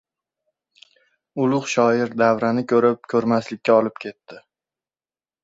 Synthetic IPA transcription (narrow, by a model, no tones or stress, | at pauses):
ʊlˠʊχʃɒɪɾd̪avɾanɪkʲʰɵɾɪp̚kʲʰɵɾmaslɪkʲːaɒlɪpkʲʰe̞t̪ːɪ